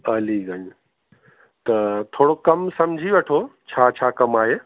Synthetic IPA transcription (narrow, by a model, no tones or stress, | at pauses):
ɐliɡɐɲ | t̪ɐt̪ʰoːɽokɐmsɐmd͡ʒʱiʋeʈʰot͡ɕʰaːt͡ɕʰaːkɐmaːɦe